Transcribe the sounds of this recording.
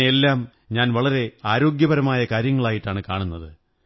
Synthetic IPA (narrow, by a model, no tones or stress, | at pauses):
elːaːm | ɲaːnʋɐɭɐɾe̞aːɾo̞ːɡjɐbɐɾɐmaːjɐkaːɾjɐŋːɐɭaːjiʈːaːɳɨkaːɳunːɐðɨ